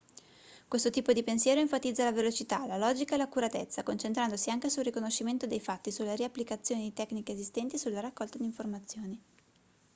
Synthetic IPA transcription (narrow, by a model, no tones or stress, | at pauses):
kwest̪ot̪iːpod̪ipensjɛːɾoeɱfat̪id̪zːalavelot͡ʃit̪alalɔːd͡ʒikaelakuɾat̪et̪sːakont͡ʃent̪ɾand̪osiaŋkesulrːikonoʃːiment̪od̪ejfat̪ːisulːeɾiapːlikat̪sːjoːned̪it̪ɛkːnikeːzist̪ɛnt̪iesulːaɾakːɔlt̪ad̪iːɱformat̪sːjoːni